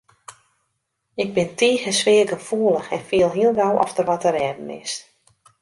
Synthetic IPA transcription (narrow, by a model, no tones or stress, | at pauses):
ɪɡ̚bɪntʰiːɣəsʋɪːəɡəfuəlˠəxɛnfiəlˠɦiəlˠɡawʔɔ̰ftərʋɔtəɾɛːdn̩ɪ̰s